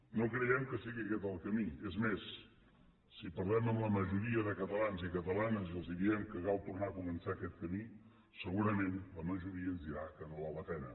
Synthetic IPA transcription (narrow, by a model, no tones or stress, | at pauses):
nokɾəjɛmkəsiɣiəkɛt̪əlˠkəmiezmesː | ipəɾðɛməmləməʒuɾiəðəkət̪əlanzikət̪əlanəziəlˠziðiɛmkəɣalˠt̪urnakumənsaːkɛt̪̚kəmi | səɣuɾəmenləməʒuɾiənzd̪iɾakənolalət̪ɛnə̰